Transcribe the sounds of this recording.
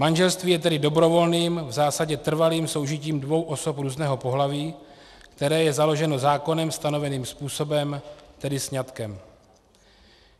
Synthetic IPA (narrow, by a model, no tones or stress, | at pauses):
manʒɛlst̪viːjɛt̪ɛdɪdo̞bɾo̞vo̞lniːmvzaːsaɟɛt̪r̩valiːmso̞wʒɪciːmdvo̞wʔo̞so̞pɾuːznɛːɦo̞po̞ɦlaviː | kt̪ɛɾɛːjɛzalo̞ʒɛno̞zaːko̞nɛmst̪ano̞vɛniːmspuːso̞bɛmt̪ɛdɪsɲat̪kɛm